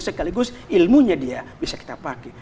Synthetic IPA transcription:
səkaliɡʊsilmuɲadiabisaki̥t̪apakɛ

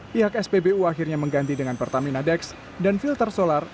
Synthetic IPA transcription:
piɦakɛspebeuaxirɲaməŋɡant̪idəŋanpərt̪aminadɛks | danfilt̪ərsolar

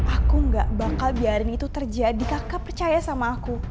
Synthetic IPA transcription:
ʔakuŋɡaʔbakalbiaɾɪnit̪ut̪ərd͡ʒadikakapərt͡ʃajasamaːku

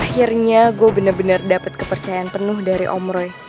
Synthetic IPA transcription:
hirɲaɡuabənərbənardapət̪̚kəpərt͡ʃajaanpənʊhdaɾḭʔɔmɾɔj

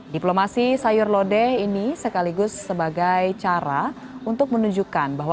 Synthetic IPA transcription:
diplomasisajʊrlodɛhinisəkaliɡʊsːəbaɡajt͡ʃaɾa | unt̪ʊk̚mənuɲd͡ʒukanbaɦwa

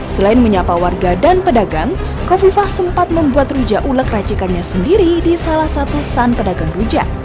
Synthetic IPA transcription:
səlaɪnməɲapawarɡadanpədaɡaŋ | kofifahsəmpat̪̚məmbuat̪rud͡ʒaʔuləkrat͡ʃikanɲasəndiɾidisalahsat̪ust̪anpədaɡaŋrud͡ʒa̰

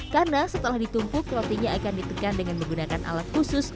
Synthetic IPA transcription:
karnasət̪əlahdit̪umpukɾot̪eɡaakandit̪əkandəŋanməŋɡunakanʔa̰lat̪̚kusʊs

